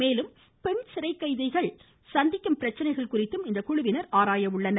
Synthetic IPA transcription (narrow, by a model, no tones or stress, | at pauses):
meːlɯm | pɛɳsɪɾɐɪkːɐɪðɐɪɣɐɭ | sɐnd̪ɪkːɐmpɪɾɐt͡ʃːɐnɐɪɣɐɭkʊrɪt̪ːɯmɪnd̪ɐkʊɻʊʋɪnɐɾaːɾaːjɐʋɯɭːɐnɐ